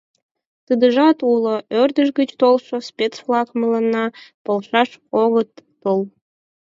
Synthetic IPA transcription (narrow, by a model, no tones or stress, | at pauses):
t̪əd̪əʒɑt̪uloørd̪əʃɡət͡ɕt̪olʃospʲet͡sflˠɑkmələnːɑpolʃɑʃoɣət̪ːol